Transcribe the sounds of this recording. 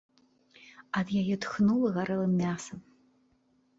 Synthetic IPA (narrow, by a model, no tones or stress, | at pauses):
ɐd̪jajɛt̪xnulˠɐɣaɾɛlˠɨmːʲasɐm